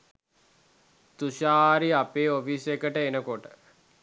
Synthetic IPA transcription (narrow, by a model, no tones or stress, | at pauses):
t̪uʃaːɾiapeːofisekəʈəenəkoʈə